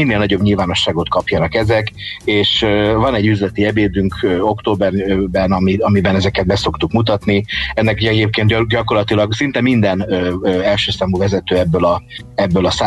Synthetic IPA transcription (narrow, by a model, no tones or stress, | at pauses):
inːeːlnɒɟo̞bɲilvaːno̞ʃːaːɡo̞t̪̚kɒpjɒnɒkɛzɛkeːʃvɒnɛɟːyzlɛt̪iɛbeːd̪yŋkːokt̪oːbɛrbɛnɒmiɒmibɛnɛzɛkɛd̪bɛso̞kt̪ukmut̪ɒt̪niɛnːɛkɛɟeːp̚keːnt̪ɟɒko̞rlɒt̪ilɒɡsint̪ɛmind̪ɛnɛlʃøːsaːmuvɛzɛt̪øːɛbːølɒɛbːølɒsaː